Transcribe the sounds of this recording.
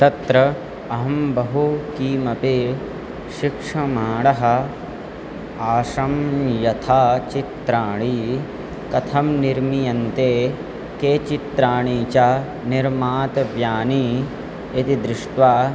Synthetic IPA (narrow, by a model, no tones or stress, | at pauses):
t̪ɐt̪ɾɐ | ɐɦɐmbɐɦukiːmɐpe | ʃikʂɐmaːɽɐɦɐ̆ | aːʃɐmjɐt̪ʰaːt͡ʃit̪ɾaːɳ̃i | kɐt̪ʰɐmniɾmijɐnt̪eː | keːt͡ʃit̪ɾaːɳiːt͡ʃa | niɾmaːt̪ʋjaːniː | t̪id̪ɾɪʂʈʋaː